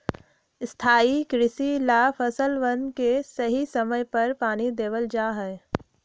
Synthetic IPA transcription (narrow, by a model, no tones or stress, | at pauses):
ɪst̪ʰaːikɾɪsilaːfʰɐsəlʋənkesɐɦisɐməjpɐɾpaːnid̪eːʋəld͡ʒaːɦɛː